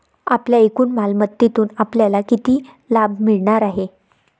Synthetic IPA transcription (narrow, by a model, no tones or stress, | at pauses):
apljaekuːnmalmət̪ːit̪uːnapljalakit̪iː | lab̚ʱmiɭɳaɾaɦe